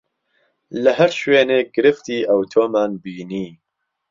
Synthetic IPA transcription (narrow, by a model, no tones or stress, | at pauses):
lɨɦɛɾʃweːneːɡɨɾɨft̪iːʔɐwt̪ʰoːmaːnbiːniː